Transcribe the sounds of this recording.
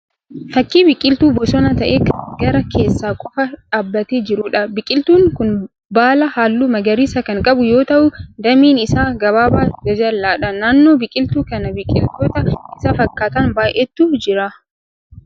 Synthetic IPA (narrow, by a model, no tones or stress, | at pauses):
fɐkːiːbɪkʼɪlt̪uːbɔsɔnɐt̪ɐʔeːkɐnɡɐɾɐkʰe̞ːsːaːkʼɔfɐᶑaːbːɐt̪eːd͡ʒɪɾʊᶑɐbɪkʼɪlt̪uːŋkʊn | baːlɐhaːlːuːmɐɡɐɾiːsɐkɐŋkʼɐbʊjo̞ːt̪ɐʔʊd̪ɐmiːnɪsaːɡɐβaːbaːd͡ʒɐd͡ʒɐlːaːᶑɐnaːnːoːbɪkʼɪlt̪uːkɐnɐbɪkʼːɪ̰lt̪oːt̪ɐʔɪsɐfɐkːaːt̪ɐnbaːʔɛt̪ːuːd͡ʒɪɾɐ